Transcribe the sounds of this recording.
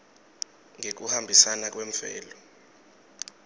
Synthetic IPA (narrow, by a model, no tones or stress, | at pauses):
ŋek̬uhambʱisanak̬ʼweɱfɛ̰ːlɔ